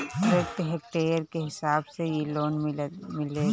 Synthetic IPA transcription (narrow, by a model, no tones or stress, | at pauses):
ɾek̚ʈ̪ɦɛk̚ʈeːjəɾkeɦɪsaːbsejeloːnmɪleː